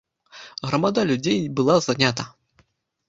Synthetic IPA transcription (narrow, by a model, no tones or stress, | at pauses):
ɣɾɐmad̪alʲud͡zʲejbɨlˠazanʲat̪ɐ